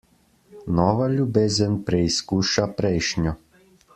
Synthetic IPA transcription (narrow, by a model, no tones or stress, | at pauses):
nɔʋaʎubɛzɛnpɾɛiskuʃapɾɛjʃɲɔ